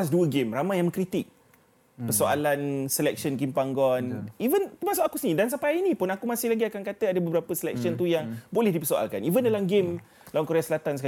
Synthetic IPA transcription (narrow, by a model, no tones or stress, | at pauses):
asduəɡemramãjaŋməŋkɾit̪ɪk̚ | pərsoa̰lansəlɛk̚sɔnɡɪmpaŋɡɔnivənt̪əmasʊkakusnĩdans̬apainĩpʊnakumãsɪhlaɡiakankat̪əadəbəbəɾapəsəlɛ̰k̚siɔnt̪ujaŋbolɛhdipərsoa̰lkanivəndalamɡem | lawankoɾeasəlat̪ansəka